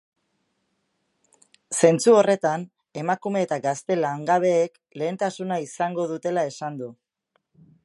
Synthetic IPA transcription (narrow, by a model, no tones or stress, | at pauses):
se̞nt͡suo̞re̞t̪an | e̞makume̞ːt̪aɡast̪e̞laŋɡaβ̞e̞ːk | le̞ːnt̪asunaisaŋɡo̞ðut̪e̞lae̞sand̪u